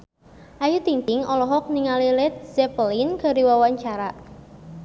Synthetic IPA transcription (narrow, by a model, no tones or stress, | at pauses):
ʔajut̪int̪ɪŋɔlɔɦɔk̚niŋalilɪt̪̚z̥ɛpəlinka̤ɾiwawaɲt͡ʃaɾa